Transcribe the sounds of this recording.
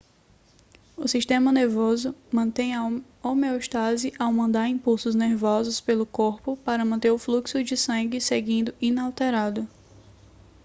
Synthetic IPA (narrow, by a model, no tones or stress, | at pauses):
ʊsiʃt̪ẽmɐneɾvozʊmɐ̃t̪ẽj̃ɐ | omeoʃt̪azɪʔawmɐ̃nd̪aɾĩpuwsʊzneɾvɔzʊspelʊkoɾpʊpaɾɐmɐ̃t̪eɾʊfluksʊd͡ʒɪsɐ̃ŋɡɪseɡĩnd̪ʊʔinawt̪eɾad̪ʊ